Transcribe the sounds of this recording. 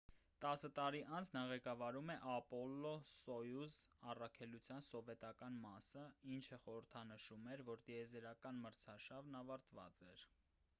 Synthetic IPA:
t̪ɑsət̪ɑɾiʔɑnt͡sʰnɑʁɛkɑvɑɾumɛʔɑpɔlːɔsɔjuzɑrɑkʰɛlut͡sʰjɑnsɔvɛt̪ɑkɑnmɑsəint͡ʃʰəχɔɾəɾt̪ʰɑnəʃumɛɾvɔɾt̪iɛzɛɾɑkɑnməɾt͡sʰɑʃɑvnɑvɑɾt̪vɑ̰t͡sɛɾ

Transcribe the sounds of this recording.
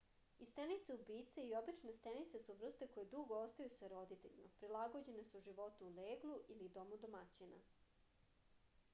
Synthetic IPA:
ist̪enit̪seubiːt̪seio̞bit͡ʃnest̪enit̪sesuʋr̩st̪eko̞jed̪uɡoost̪ajusaɾo̞d̪it̪e̞ʎima̰pɾilaɡod͡ʑe̞nesuʒiʋo̞t̪uːleːɡlˠuʔilid̪omud̪omat͡ɕina̰

